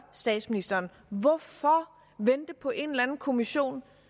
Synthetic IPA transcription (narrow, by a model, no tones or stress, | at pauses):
sd̥ɛ̰ːd̥sminisd̥ɐːn | ʋɒfɒ | ʋend̥əpʰɒ̽ʔe̝nlænn̩kʰo̝miɕo̝̰ːn